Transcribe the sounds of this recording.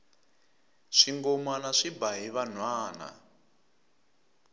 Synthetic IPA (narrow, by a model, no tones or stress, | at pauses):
ʂiŋɡɔmanaʂibaɦiβan̤waːna̰